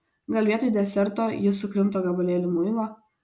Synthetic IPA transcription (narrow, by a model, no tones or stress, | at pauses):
ɡɐlʲʋʲiɛt̪ɔɪjd̪ʲɛsʲɛɾt̪oːjɪsʊkɾʲɪmt̪oːɡɐbɐlʲeːlʲɪmʊɪlˠoː